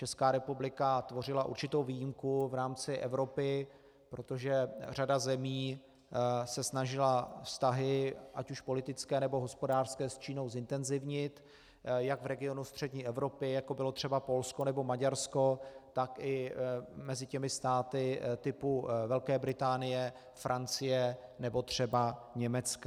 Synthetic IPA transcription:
t͡ʃɛskaːɾɛpublɪkat̪vo̞rɪlaʔṵɾt͡ʃɪt̪owviːjimkuvɾaːmt͡sɪʔɛvɾo̞pɪ | pɾo̞t̪o̞ʒɛr̝adazɛmiː | sɛsnaʒɪlafst̪aɦɪʔacuʃpo̞lɪt̪ɪt͡skɛːnɛbo̞ɦo̞spo̞daːr̥skɛːst͡ʃiːno̞wzɪnt̪ɛnzɪvɲɪt̪ | jaɡvɾɛɡɪo̞nust̪r̝̥ɛdɲiːʔɛvɾo̞pɪjako̞bɪlo̞t̪r̝̥ɛbapo̞lskonɛbo̞maɟaɾsko̞t̪akʔɪmɛzɪcɛmɪst̪aːt̪ɪt̪ɪpuvɛlkɛːbɾɪt̪aːnɪjɛ | fɾʔant͡sɪjɛnɛbo̞t̪r̝̥ɛbaɲɛmɛt͡ska

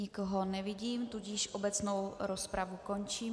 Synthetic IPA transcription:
ɪkoɦonɛvɪɟiːmt̪uɟɪʃʔo̞bɛt͡snowɾospɾavuko̞nt͡ʃiː

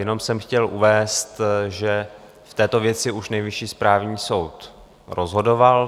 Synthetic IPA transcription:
jɛno̞msɛmxcɛlʔuvɛːst̪ʒɛ | ft̪ɛːt̪o̞vjɛt͡sɪuʃnɛjvɪʃiːspɾaːvɲiːso̞wt̪ | ɾʔozɦo̞do̞val

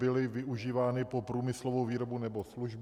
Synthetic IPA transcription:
ɪlɪvɪuʒiːvaːnɪpopɾuːmɪslovowviːɾobunɛbosluʒb

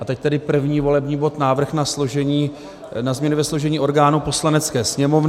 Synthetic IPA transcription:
ʔat̪ɛct̪ɛdɪpr̩vɲiːvo̞lɛbɲiːbo̞t̪naːvr̩xnasloʒɛɲiː | nazmɲɛnɪvɛsloʒɛɲiːo̞ɾɡaːnupo̞slanɛt͡skɛːsɲɛmovn

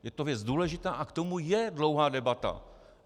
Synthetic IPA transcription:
jɛt̪ovjɛt͡sduːlɛʒɪt̪aːʔakt̪o̞mujɛdlo̞wɦaːdɛbat̪a̰

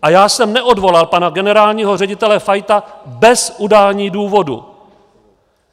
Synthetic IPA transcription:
ʔajaːsɛmnɛʔo̞dvo̞lalpanaɡɛnɛɾaːlɲiːɦo̞rɛɟɪt̪ɛlɛfajt̪abɛsʔudaːlɲiːduːvo̞dṵ

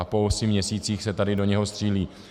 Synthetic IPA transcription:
apolsɪmɲɛsiːt͡siːxsɛt̪adɪdo̞ɲɛɦo̞st̪r̥iːliː

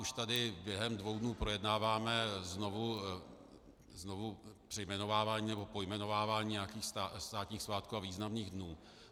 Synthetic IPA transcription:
ʔuʃt̪adɪbjɛɦɛmdvo̞wdnuːpɾo̞jɛdnaːvaːmɛznovu | znovupr̥ɛjmɛno̞vaːvaːɲiːnɛbo̞po̞jmɛno̞vaːvaːɲiːɲɛjakiːxst̪ast̪aːt̪ɲiːxsvaːt̪kuːaviːznamniːɣdnuː

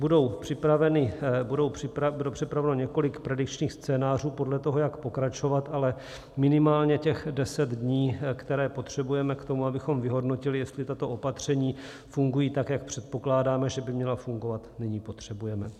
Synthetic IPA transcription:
budo̞wpr̥ɪpɾavɛnɪbudo̞wpɪpɾabudowpr̝̥ɪpɾavɛnoɲɛko̞lɪkpɾɛdɪkt͡ʃɲiːxst͡sɛːnaːr̝uːpo̞dlɛt̪o̞ɦo̞jakpo̞kɾat͡ʃo̞vat̪ʔalɛ | mɪnɪmaːlɲɛcɛxdɛsɛd̪dɲiːkt̪ɛɾɛːpo̞t̪r̝̥ɛbujɛmɛkt̪o̞muabɪxo̞mvɪɦo̞dno̞cɪlɪjɛst̪lɪt̪at̪o̞ʔopat̪r̝̥ɛɲiː | fuŋɡujiːt̪akjak̚pr̥ɛt̪̚po̞klaːdaːmɛʒɛbɪmɲɛlafuŋɡo̞vat̪nɪɲiːpo̞t̪r̝̥ɛbujɛmɛ

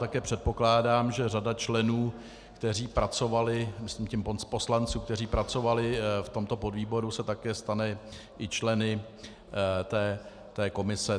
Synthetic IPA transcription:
t̪akɛːpr̥ɛt̪̚po̞klaːdaːmʒɛradat͡ʃlɛnuː | kt̪ɛr̝iːpɾat͡so̞valɪmɪslimcɛmponspo̞slant͡suːk̚t̪ɛr̝iːpɾat͡so̞valɪft̪o̞mt̪o̞podviːbo̞ɾusɛt̪akɛːst̪anɛ | ʔɪt͡ʃlɛnɪ | t̪ɛː | t̪ɛːko̞mɪsɛ

